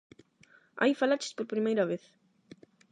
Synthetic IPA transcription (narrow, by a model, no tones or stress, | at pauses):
a̰jfalat͡ʃɪ̥spoɾpɾimejɾɐβeθ